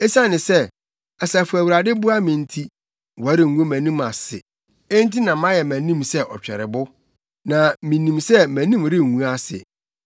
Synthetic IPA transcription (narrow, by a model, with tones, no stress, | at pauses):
e˦sã˦˨nɪ̃˨sɛ˦ | a˨sa˨fʊ˨æ˨wu˨ɾa˨dɪ˦bʊ˦a˦mĩ˨n̩˦tʰi˦ | wɔ˨˦ɾɪ˨ŋ̩˨ɡũ˦mæ̃˨nĩ˦ma˨sɪ̰˨ | e˦n˦ti˦nã˨mã˦jɛ˨mæ̃˨nĩ˦˨msɛ˦ʔɔ˨t͡ɕᶣɛ̰˨ɾɪ˨bʊ˦ | nã˨mĩ˨nĩ˨msɛ˦mæ̃˨nĩ˦mɾɪ˦ŋ˨ŋũ˦a˦sɪ̰˨